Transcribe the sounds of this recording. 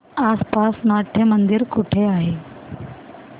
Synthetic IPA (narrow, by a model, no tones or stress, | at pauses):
aspasmaʈʰemənd̪iɾkuʈʰeaɦe